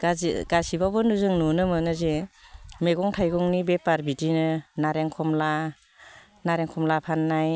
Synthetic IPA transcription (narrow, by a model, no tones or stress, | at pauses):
ɡaɡ̥asibabɔnuzɯŋnɔnɯmɯnɯzemeɡɔŋtʰajɡɔŋnibepaɾbitinɯnaɾeŋkʰɔmla | naɾeŋkʰɔmlapʰanːaj